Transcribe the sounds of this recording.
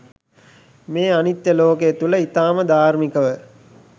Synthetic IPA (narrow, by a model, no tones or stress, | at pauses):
meːanit̪jəloːket̪uləit̪aːməd̪aːɾmikəʋə